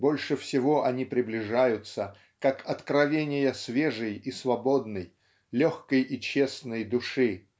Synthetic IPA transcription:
bo̞lʲʂɨfsʲɪvo̞ʔɐnʲipɾʲɪblʲɪʐajʊt̪sə | kakɐt̪kɾɐvʲenʲɪjəsvʲeʐɨjisvɐbo̞d̪nəj | lʲoxkəjit͡ɕe̞snəjd̪ʊʂɨ

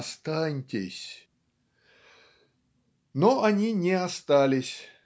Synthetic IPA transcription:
st̪anʲtʲɪsʲ | noanʲinʲɛast̪alʲɪsʲ

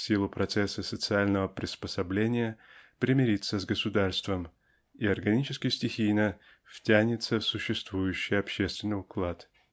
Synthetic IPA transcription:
sʲilˠʊpɾɐt̪sɛsːəsət̪sɨalʲnəvəpɾʲɪspəsɐblʲenʲɪjəpɾʲɪmʲɪɾʲit̪sːəzɡəsʊd̪arst̪vəm | iɐrɡɐnʲit͡ɕɪskʲɪjsʲtʲɪxʲijnə | ftʲænʲɪt̪səfsʊɕːɪst̪vujʉɕːɪjɐpɕest̪vʲɪnːɨʊklˠat̪

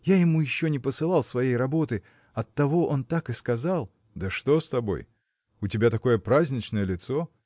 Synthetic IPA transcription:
jajɪmujɪɕːonʲɪpəsɨlˠɑlˠsvɐjejrɐbo̞t̪ɨ | ɐt̪ːɐvo̞ʔo̞nt̪akɨskɐzɑlˠ | d̪əʂt̪o̞st̪ɐbo̞̰j | ʊtʲɪbʲat̪ɐko̞jəpɾazʲnʲɪt͡ɕnəjəlʲɪt̪so

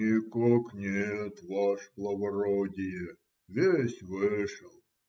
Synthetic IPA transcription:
ikɔknʲet̪ʋɑʂplˠɐʋɐɾɔdʲɪjɛ | ʋʲesʲʋɪʂəlˠ

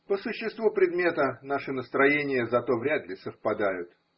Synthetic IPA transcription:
pəsʊɕːɪst̪vupɾʲɪd̪mʲe̞t̪ənaʂɨnəst̪ɾɐjenʲɪjəzɐt̪o̞vɾʲad̪lʲɪsəfpɐd̪ajʊt̪

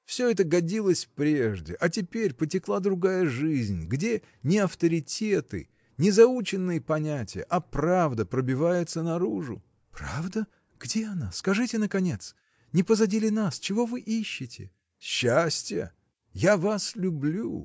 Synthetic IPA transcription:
fsʲɵɛt̪əɡɐdʲilˠəsʲpɾʲeʐdʲɪ̰ʔɐtʲɪpʲeɾʲpətʲɪklˠad̪ɾʊɡajəʐɨzʲnʲɡdʲe | nʲɪɐft̪əɾʲɪtʲet̪ɨ̰ | nʲɪzɐut͡ɕɪnːɨjəpɐnʲætʲɪjə̰ʔɐpravd̪əpɾəbʲɪvajɪt̪sənɐɾuʐʊ̰ | pɾavd̪ə | ɡ̥dʲeɐnaskɐʐɨtʲɪnəkɐnʲe̞t̪s | nʲɪpəzɐdʲilʲɪnast͡ɕɪvo̞vɨʔiɕːɪtʲɪ̰ | ɕːasʲtʲjə̰ | javaslʲʊblʲu

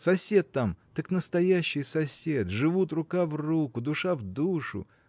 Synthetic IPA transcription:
sɐsʲe̞t̪ːamt̪aknəst̪ɐjæɕːɪjsɐsʲet̪ʐɨvut̪rʊkavrukʊd̪ʊʂavd̪uʂʊ̰

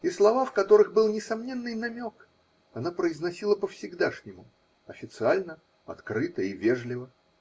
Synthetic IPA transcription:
islˠɐvafkɐt̪o̞ɾɨɣbɨlˠnʲɪsɐmnʲe̞nːɨjnɐmʲo̞k | ɐnapɾəɪznɐsʲilˠəpəfsʲɪɡd̪aʂnʲɪmʊ | ɐfʲɪt̪sɨalʲnə | ɐ̰t̪kɾɨt̪əivʲeʐlʲɪvə

